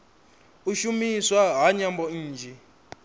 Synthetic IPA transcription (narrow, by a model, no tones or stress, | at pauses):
uʃumiswaɦaɲambɔn̩ːd͡ʒʱɛ